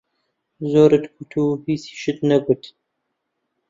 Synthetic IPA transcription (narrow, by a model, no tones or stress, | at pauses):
zoːɾɨt̪kut̪ʰuhiːsi̥ʃɨt̪nɐɡʊt̪